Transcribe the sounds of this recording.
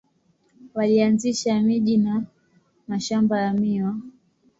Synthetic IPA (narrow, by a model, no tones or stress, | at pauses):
walianziʃamiʄina | maʃambajamiwa